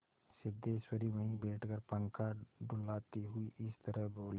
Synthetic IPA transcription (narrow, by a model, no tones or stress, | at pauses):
sɪd̪eːswəɾiʋəɦĩbeːʈʰkəɾpə̃ŋkaɖʊlaːt̪iɦʊiʔɪst̪ɐɾəɦboːl